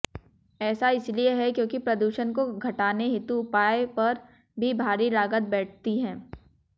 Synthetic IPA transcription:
ɛːsaɪslieɦɛkjõːkipɾɐd̪uːʃənkoɡʱɐʈaːneɦɪt̪uʊpaːepɐɾ | bʱibʱaːɾiɾaːɡət̪̚bɛːʈ̚ʰt̪iɦɛ̃ː

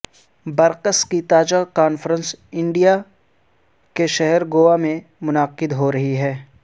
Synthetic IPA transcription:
bɐɾqəskit̪aːd͡ʒakaːnfɾə̃nsɪ̃ɳɖija | keʃɛɦɛɾɡoːʋamẽ | mʊnaqɪd̪ɦoɾɐɦiɦɛː

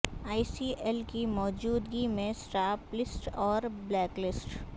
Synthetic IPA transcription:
aːisiːʔɛlkimɔːd͡ʒuːd̪ɡimẽsʈaːplɪsʈɔːɾblɛːklɪsʈ

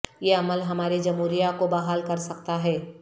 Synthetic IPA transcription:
jeɐməlɦɐmaːɾed͡ʒɐmɦuːɾijakobaɦaːlkɐɾsɐk̚t̪aɦɛː

